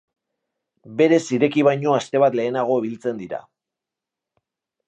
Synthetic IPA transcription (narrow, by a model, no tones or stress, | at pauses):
be̞ɾe̞siɾe̞kiβajɲo̞ast̪e̞βat̪le̞ːnaɣ̞o̞iβ̞ilt͡se̞nd̪iɾa̰